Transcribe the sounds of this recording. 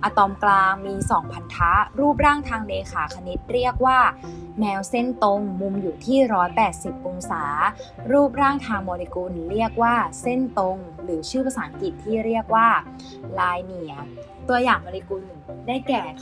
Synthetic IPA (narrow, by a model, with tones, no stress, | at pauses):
ʔa˧t̪ɔː˧mklaː˧ŋmiː˧sɔː˩˦ŋpʰa˨˩˥t̪ʰːa˦˥ɾuː˥˩p̚ɾaː˥˩ŋt̪ʰaː˧ŋneː˧kʰaː˩˦kʰa˧ni˦˥t̪̚ɾi˥˩ək̚waː˥˩ | mɛː˧wse˥˩nt̪o˧ŋmu˧mjuː˨˩t̪ʰiː˥˩ɾɔː˦˥jpɛː˨˩t̪̚si˨˩p̚ʔu˧ŋsaː˩˦ | ɾuː˥˩p̚ɾaː˥˩ŋt̪ʰaː˧ŋmɔː˧li˧ku˧nɾi˥˩ək̚waː˥˩se˥˩nt̪o˧ŋɾɯː˩˦t͡ɕʰɯː˥˩pa˧saː˩˦ŋki˨˩t̪ʰːiː˥˩ɾi˥˩ək̚waː˥˩ | laː˧jni˨˩˦ɐ | t̪u˧ɐjaː˨˩ŋmɔː˧li˧ku˧n˨˩daː˥˩jkɛː˨˩